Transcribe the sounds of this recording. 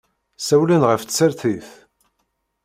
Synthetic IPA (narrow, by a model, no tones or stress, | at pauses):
sæwlænʁəfsəɾθiθ